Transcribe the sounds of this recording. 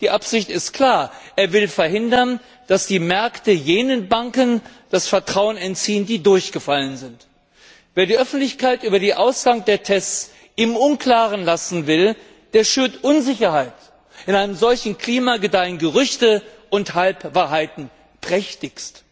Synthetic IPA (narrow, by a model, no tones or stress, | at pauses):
d̥iːʔapz̥ɪçtɪstkʰl̥aːɐʔeːɐvɪlfɛɐɦɪndɐn | d̥asd̥iːmɛɐktəjeːnənbaŋkənd̥asfɛɐtʁ̥aʊənɛntt͡siːəndiːdʊɐçɡ̥əfalənzɪnt | veːɐdiːʔœfn̩tlɪçkaɪtʔyːbɐdiːʔaʊsɡ̥aŋdeːɐtʰɛst͡s | ʔɪmʔʊnkl̥aːʁənlasn̩vɪl | d̥eːɐʃyːɐtʔʊnzɪçɐhaɪt | ʔɪnʔaɪnəmzɔlçn̩kʰl̥iːmaɡədaɪənɡəʁʏçtə | ʔʊnthalpvaːɐɦaɪtn̩ | pʁ̥ɛçtɪçst